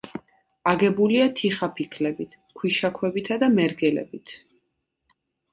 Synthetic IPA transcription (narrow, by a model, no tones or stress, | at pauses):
aɡɛbuliat̪ʰiχapʰikʰlɛbit̪ʰ | kʰwiʃakʰwɛbit̪ʰad̪amɛɾɡɛlɛ̰bit̪ʰ